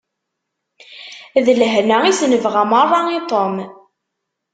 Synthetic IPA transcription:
ðəlɦnæisnəvʁæmərˤːɑit̪ˤom

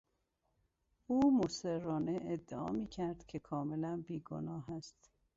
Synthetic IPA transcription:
uːmoseɾːɒːneʔed̪ːeɒ̰ːmiːcʰæɾd̪̥cʲʰe̞kʰɒːmelænbiːɡo̰nɒːɦæst̪

